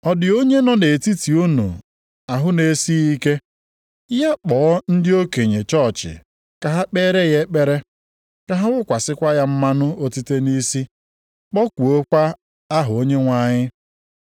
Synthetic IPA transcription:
ɔ˨dɪ˨o˦ɲe˦nɔ˦ne˨ti˦ti˨u˦nṵ˨ | a˨ɦʊ˦ne˨˦si˦i˦ke˦ | ja˦k͡pɔː˨˦n̩˦dɪ˦o˦ke˨ɲe˨t͡ʃɔ˦˨t͡ʃɪ̰˨ | ka˨ɦa˦k͡pe˦ɾe˦je˦k͡pe˦ɾe˦ | ka˦ɦa˦wʊ˦kʷa˨sɪ˦kʷa˦ja˦m̩˦ma˦nʊ˦o˦ti˦te˦ni˦si˦ | k͡pɔ˦kʷu˨o˦kʷa˦ | a˦ɦʊ˨o˦ɲe˦ŋʷa˦˨ɲɪ˦

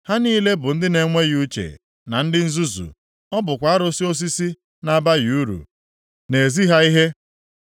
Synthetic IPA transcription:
ha˦niː˦le˦bʊ˨n̩˦dɪ˦ne˨ŋʷe˦ju˦t͡ʃḛ˨ | na˨n̩˦dɪ˦n̩˦zu˦zṵ˨ | ɔ˦bʊ˨kʷa˨˦a˦ɾo˦si˦o˦s̬i˦si˦ | na˨˦ba˦ji˨u˦ɾṵ˨ | ne˨e˨zi˦ɦa˦i˦ɦe˦

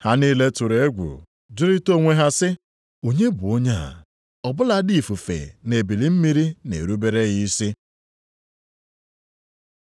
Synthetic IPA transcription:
ha˦niː˦le˦tʊ˨ɾe˨˦ɡʷṵ˨ | d͡ʒʊ˦ɾi˦to˦˨ŋʷe˦ɦa˦sɪ˦ | o˨ɲe˦bʊ˨o˦ɲa˦˨a̰˨ | ɔ˨bʊ˦la˦di˦˨fu˨fḛ˨ne˨bi˨li˨m̩˦mi˦ɾi˦nḛ˨ɾu˦be˦ɾe˦ɣi˦si˦

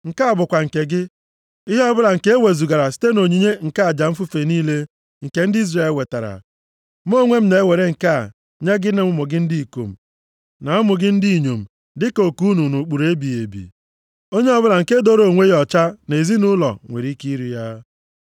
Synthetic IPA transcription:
ŋ̩˨ka˦a˨bʊ˨kʷa˨ŋ̩˨ke˨ɡɪ˦ | ɪ˦ɦɔ˦bʊ˦la˨ŋ̩˨ke˦e˦we˨zu˨ɡa˨ɾa˨si̥˦te˦no˨ɲi˨ɲe˦ŋ̩˨ka˦a˨d͡ʒa˨m̩˦fu˦fe˨niː˦le˦ | ŋ̩˨ke˨n̩˦dɪ˦i˦zre˨e˨we˨ta˨ɾa̰˨ | m˦o˦ŋʷe˦m̩˦ne˨e˦we˨ɾe˦ŋ̩˨ka˦˨ | ɲe˦ɡɪ˦ne˦m̩ʊ˦mʊ˨ɡɪ˦n̩˦di˦i˨ko̰˨m̩˨ | na˨ɔ˦mʊ˨ɡɪ˦n̩˦di˦˨ɲo˨m̩˨ | dɪ˦ko˨ku˦nu˨nu˨k͡pu˨ɾe˦bi˨e˨bḭ˨ | o˦ɲe˦ɔ˦bʊ˦la˨ŋ̩˨ke˦do˦ɾo˨ŋʷe˦jɔ˨t͡ʃa˦ne˨zi˦nʊ˦lɔ̰˨ŋʷḛ˨ɾi˦ki˦i˦ɾi˨ja˦

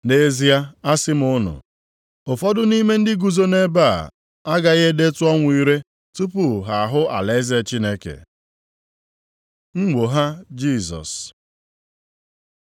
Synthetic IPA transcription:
ne˦zi˦a˦a˦sɪ˦m˦ʊ˦nʊ̰˨ | ʊ˨fɔ˦dʊ˦ni˦me˦n̩˦dɪ˦ɡu˨zo˦ne˦ba˦˨ | a˦ɡa˨ɣe˦de˦tʊ˦ɔ˦ŋʷ˦˨˦i˦ɾe˦ | tu˦pʊ˦ɦa˨a˨ɦʊ˦a̰˨le˨˦ze˦t͡ʃi˦ne˦kḛ˨ | ŋ̩˦ɡ͡bo˨ɦa˦d͡ʒi˦˨zɔ̰˨s

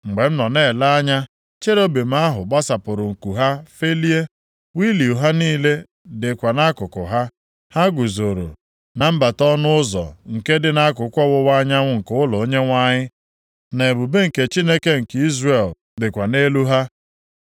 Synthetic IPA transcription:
ŋ͡m̩˨ɡ͡be˨m̩˦nɔ˨ne˦˨la˦a˦ɲa˦ | t͡ʃe˦ɾo˦be˨m̩˦a˦ɦʊ˨ɡ͡ba˦sa˨pʊ˨ɾʊ˨ŋ̩˨ku˨ɦa˦fe˦li˦e˦ | wi˦li˨u˨ɦa˦niː˦le˦ | dɪ˨kʷa˨na˦kʊ˨kʊ˨ɦa˦ | ha˦ɡʊ˨zo˨ɾo̰˨ | na˨m̩˦ba˨tɔ˦nʊ˦ʊ˦zɔ̰˨ŋ̩˨ke˦dɪ˦na˦k̬ʊ˨kʷɔ˦wʊ˦wa˦ɲa˦ŋʷʊ˦ŋ̩˨kʊ˦ʊ˦lɔ˨o˦ɲe˦ŋʷa˦ɲɪ˦ | ne˨bu˨be˦ŋ̩˨ke˨t͡ʃi˦ne˦ke˦ŋ̩˨ki˦zre˨l | dɪ˨kʷa˨ne˦lu˦ɦa˦

